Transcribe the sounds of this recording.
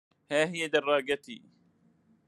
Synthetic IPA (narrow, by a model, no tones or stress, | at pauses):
haːɦɪjad̪ɑrˤːɑːɡat̪ḭː